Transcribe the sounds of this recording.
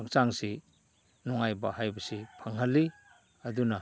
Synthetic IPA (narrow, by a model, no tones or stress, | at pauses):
akt͡ʃaŋsi | nɔŋajbaɦajbɐsipʰaŋɦɐlːi | ɐduna